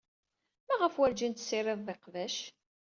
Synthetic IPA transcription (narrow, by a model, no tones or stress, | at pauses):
mæʁəfwæld͡ʒint̪sɪɾˤeðˤðeqvæʃ